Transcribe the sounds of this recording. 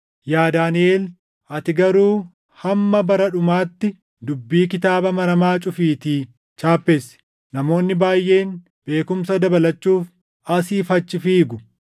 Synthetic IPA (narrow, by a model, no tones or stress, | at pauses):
jaːd̪aːneːl | ʔɐt̪ɪɡɐɾuː | hɐmːɐbɐɾɐᶑʊmaːt̪ːɪ | d̪ʊbːiːkɪt̪aːbɐmɐɾɐmaːt͡ʃʼʊfiːt̪iː | t͡ʃaːpːeːsɪ̥ | nɐmo̞ːnːɪbaːjːʔe̞ːn | b̥e̞ːkʊmsɐd̪ɐbɐlɐt͡ʃːuːf | ɐsiːfɐt͡ʃːɪfiːɡʊ